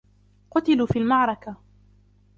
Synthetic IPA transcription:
qʊt̪ɪluːfiːlmaʕɾˤɑka

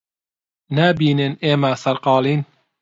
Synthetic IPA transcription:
nɛbiːneneːmæsɐɾqɑːliːn

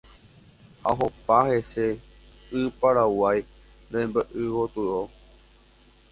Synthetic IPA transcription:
a̰ɦopaɦese | ɨpaɾawaj | ɾembəʔɨwot̪uɾo

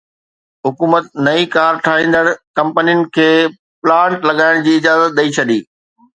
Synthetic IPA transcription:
ɦʊkuːmət̪nɐikaːɾʈʰaːĩːnd̪əɽkɐ̃mpənijʊnɪ̆kʰeː | plãːɳʈlɐɠaːɪɽ̃d͡ʑiːɪd͡ʑaːzət̪̚ɗɐit͡ɕʰɐɗiː

